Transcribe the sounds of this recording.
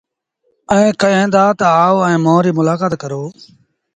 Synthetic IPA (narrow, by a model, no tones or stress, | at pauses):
ə̃ːkəẽːnd̪aːt̪aaːoɛ̃ːmõːɾiːmʊlaːkaːt̪̚kəɾoː